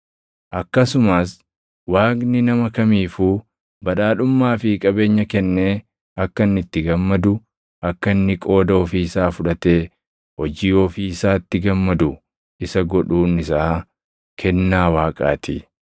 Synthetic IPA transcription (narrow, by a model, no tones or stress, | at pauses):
ʔɐkːɐsʊmaːs | waːɡnɪnɐmɐkɐmiːfuː | bɐᶑaːᶑʊmːaːfɪkʼɐbe̞ːɲːɐkɛnːeː | ɐkːɐnːɪt̪ːɪɡɐmːɐd̪ʊ | ʔɐkːɐnːɪkʼo̞ːd̪ɐɔfiːɪsaːfʊᶑɐt̪e̞ː | hɔd͡ʒiːoːfiːɪsaːɪt̪ːɪɡɐmːɐd̪ʊ | ʔɪsɐɡɔᶑuːnɪsaː | kʰɛnːaːwaːkʼa̰ːt̪ɪ